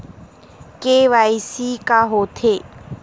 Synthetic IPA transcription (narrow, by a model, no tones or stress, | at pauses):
keʋaːjisikaɦoːt̪ʰeː